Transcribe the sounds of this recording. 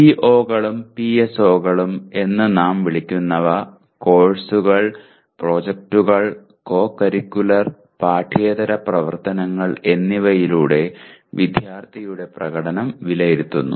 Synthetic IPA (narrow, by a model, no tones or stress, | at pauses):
piʔo̞ːɣɐɭumpieso̞ːɣɐɭume̞nːɨnaːmʋiɭikʲːunːɐʋɐ | ko̞ːɻsuɣɐɭ | pro̞ːd͡ʑek̚ʈuɣɐɭ | ko̞ːkːɐɾikʲːulɐr | paːʈʰeːd̪ɐɾɐprɐʋɐ̰rt̪ɐnɐŋːɐɭe̞nːiʋɐjiluːɽe̞ʋid̪ʱjaːrt̪ʰijuɽe̞prɐɣɐɽɐnɐmʋilɐjiɾut̪ːunːṵ